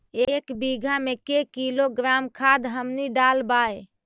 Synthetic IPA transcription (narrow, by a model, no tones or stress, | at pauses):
ekbiɡʱamekekiloɡɾamkʰad̪ɦəmniɖalbae